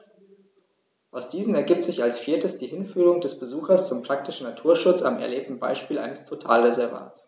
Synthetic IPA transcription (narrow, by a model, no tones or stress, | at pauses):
ʔaʊsd̥iːzn̩ɛɐɡiːp̚tz̥ɪçalsfiːɐtəsd̥iːhɪnfyːʁʊŋdɛsb̥əzuːxɐst͡sʊmpʁ̥ak̚tɪʃn̩natʰuːɐʃʊt͡sa̰mɛ̰ɐleːp̚tn̩ba̰ɪʃpiːlʔa̰ɪnəstʰotʰa̰ːlʁezɛɐva̰ːtt͡s